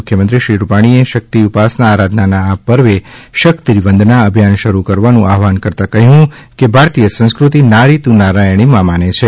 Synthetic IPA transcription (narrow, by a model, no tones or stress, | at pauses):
ʊkʰjəmənt̪ɾiʃɾiɾupaɽ̃ieʃək̚t̪iupasnaːɾad̪ʱnanaːpəɾʋeʃəkt̪iɾiʋənd̪ʱnaəbʱjanʃəɾukəɾʋanũʔaɦʋankəɾt̪akəɦũkebʱaɾt̪ijəsə̃ñskɾut̪inaɾit̪ũnaɾajɽ̃imãmanet͡ʃʰe